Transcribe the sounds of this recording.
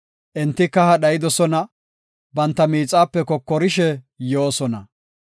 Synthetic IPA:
ʔɛnt̪ːɪkːɐhɐɗɐjɪd̪ɔsɔnɐ | bɐnt̪ːɐmiːt͡sʼaːpːɛkɔkːɔɾɪʃɛ | joːsɔnɐ̰

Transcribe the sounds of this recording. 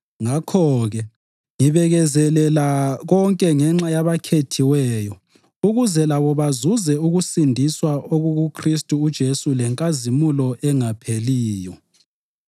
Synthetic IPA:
ŋakʰɔɣɛ | ŋiβɛɣɛzɛlɛlaɣɔŋkʼɛŋɛŋ͡ǁajaβakʰetʰiwɛːjɔ | uɣuzɛlaβɔβazuzɛuɣusindʱiswaʔoɣuɣukʰristʼuːd̥ʒ̥ʱesulɛŋkʼazimulɔʔɛŋapʰeliːjɔ

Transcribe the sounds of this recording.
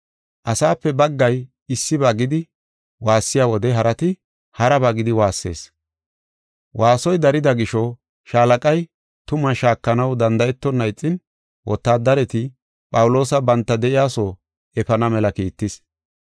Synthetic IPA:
ʔɐsaːpːɛbɐɡːɐj | ɪsːɪbaːɡɪd̪ɪ | waːsːɪjaːwɔd̪ɛɦɐɾɐt̪ɪ | hɐɾɐbaɡɪd̪ɪwaːsːe̞̰ːs | wʔaːsɔjd̪ɐɾɪd̪ɐɡɪʃɔ | ʃaːlɐkʼɐj | t̪ʊmɐʃaːkːɐnɐwd̪ɐnd̪ɐjɛt̪ːɔnːɐjt͡sʼːɪn | wʔɔt̪ːaːd̪ɐɾɛt̪ɪ | pʼɐwʊlo̞ːsɐbɐnt̪ːɐd̪ɛʔɪjaːsoː | ɛfɐnɐmɛlɐkiːt̪ːɪs

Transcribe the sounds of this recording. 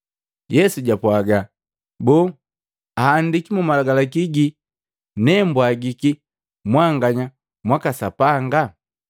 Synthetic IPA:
jɛsuɟapwaɡa | bɔː | ahːndikimumalaɡalakiɡi | nɛmbwaɡiki | mwaŋɡaɲa | mwakasapaŋɡa

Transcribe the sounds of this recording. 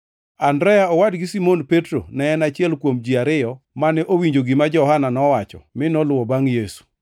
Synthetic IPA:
andɾɛjaɔwadɡɪsimonpetɾo̰nɛːnat͡ʃɪɛlkwomd͡ʒiaɾɪjɔ | manɛʔowiɲd͡ʒoɡɪmad͡ʒɔhananɔwat͡ʃɔ̰mɪnɔlʊwɔbaŋjesu̥

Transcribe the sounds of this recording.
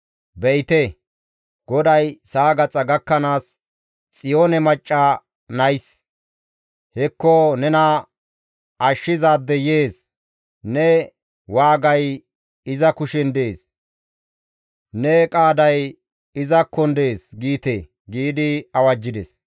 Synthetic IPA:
bɛɪt̪ɛ | ɡ̥ɔd̪ɐjsaːɡɐt͡sʼɐɡɐkːɐnaːs | t͡sʼɪjoːnɛmɐt͡ʃʼːa | nɐjs | hɛkːɔnɛnɐ | ʔɐʃːɪzaːd̪ːɛjeːs | nɛ | waːɡɐj | ɪzɐkʊʃɛnd̪e̞ːs | nɛkʼaːd̪ɐj | ɪzɐkːɔnd̪e̞ːsɡiːt̪e | ɡiːd̪ɪɐwɐd͡ʒːɪd̪ɛs

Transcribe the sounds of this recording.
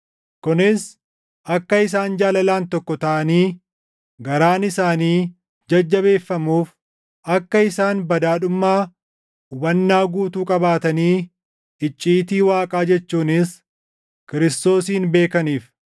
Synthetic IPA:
kʊnɪs | ʔɐkːɐɪsaːnd͡ʒaːlɐlaːnt̪ɔkːɔt̪ɐʔɐniː | ɡɐɾaːnɪsaːniː | d͡ʒɐd͡ʒːɐβe̞ːfːɐmuːf | ʔɐkːɐɪsaːnbɐd̪aːɗʊmːaː | ʊbɐnːaːɡuːt̪uːkʼɐbaːt̪ɐniː | ɪt͡ʃʼːiːt̪iːwaːkʼaːd͡ʒɛt͡ʃːuːnɪs | kɪɾɪst̪o̞ːsiːnbe̞ːkɐniːf

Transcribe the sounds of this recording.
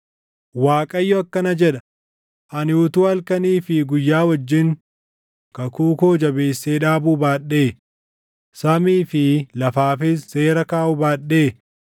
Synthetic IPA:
waːkʼɐjːɔɐkːɐnɐd͡ʒɛᶑɐ̥ | ʔɐnɪʊt̪uːɐlkɐniːfɪɡʊjːaːwɐd͡ʒːɪŋ | kɐkuːko̞ːd͡ʒɐbe̞ːsːeːᶑaːbuːbaːɗːe̞ː | sɐmiːfɪlɐfaːfɪsse̞ːɾɐkaːʔʊbaːɗeː

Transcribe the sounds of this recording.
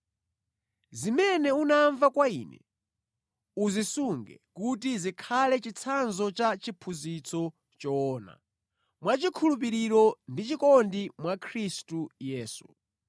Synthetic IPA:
zimɛnɛunaɱvakwaḭːnɛ̰ | uzisuŋɡɛ̰kut̬izikʰalɛt͡ʃit͡sʰanzɔt͡ʃat͡ʃipʰuzit͡sʰɔ | t͡ʃɔːna̰ | mwat͡ʃikʰulup̬iɾiɾɔndit͡ʃikɔndimwakʰɾistujɛːsu

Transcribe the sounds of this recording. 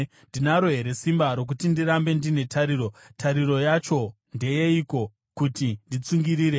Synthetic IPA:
ndinaɾoɦe̞ɾe̞simbaɾo̞k̬utindiɾambe̞ndine̞tʰaɾiːɾotʰaɾiro̞jat͡ʃo̞ | nde̞jeiko̞ | kutindit͡suŋɡiɾiːɾe

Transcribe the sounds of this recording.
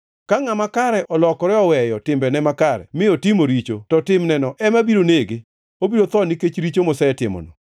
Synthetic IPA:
kaŋamakaɾɛʔɔlɔkɔɾɛɔwɛjɔtɪmbɛnɛmakaɾɛ̰mɪɔtɪmoɾit͡ʃotɔtɪmnɛnɔʔɛmabiɾoneɡɪ | obiɾot̪ɔniket͡ʃɾit͡ʃomɔsaɛtɪmɔ̰nɔ

